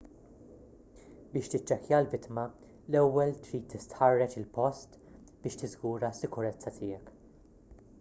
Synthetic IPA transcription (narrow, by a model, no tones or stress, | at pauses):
bɪːʃt̪ɪt͡ʃːɛkjɐlvɪt̪mɐ | lɛwːɛlt̪ɾiːt̪ːɪst̪ħɐrːɛt͡ʃɪlpɔst̪ | b̥ɪːʃt̪ɪzɡuːɾɐsːɪkʊɾɛt͡sːɐt̪ʰɪːjɛk